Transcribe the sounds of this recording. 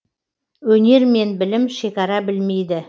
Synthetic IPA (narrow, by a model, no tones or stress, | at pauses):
wɵne̞ɾme̞nbɪlɪmʃe̞kʲɑɾɑbɪlme̞jd̪ɪ